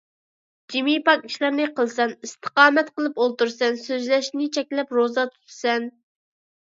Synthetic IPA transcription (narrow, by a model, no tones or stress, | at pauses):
d͡ʒimipɑkʲi̥ʃlɨɾnɨqəlˠsɛnist̪ʰə̥qɑːmɛt̪qəlˠɨpolˠt̪uɾsɛnsøzlɛʃnɪt͡ʃʰɛk̚ʲlɛpɾozɑt̪ʰu̥t̪ʰsɛn